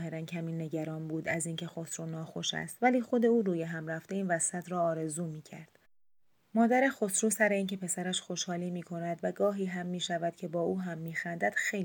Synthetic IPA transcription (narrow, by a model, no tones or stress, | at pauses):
he̞ɾæncʰæmiːnːe̞ɟæɾɒːnbuːd̪æziːncʰe̞xo̞sɾuːnɒːxo̞ʃæ̰st̪væliːxo̞d̪e̞uːɾuːjeɦæmɾæft̪e̞iːnvæsæt̪ʰɾɒːɾe̞zuːmiːcʰæ̰ɾd̪̥ | mɒːd̪æɾe̞xosɾuːsæɾe̞iːncʰe̞pʰesæɾæʃxo̞ʃhɒːliːmiːkʰo̞næd̪væɡɒːɦiːɦæmːiːʃævæd̪̥cʰe̞bɒːuːɦæmːiːxænd̪æd̪̥xe̞j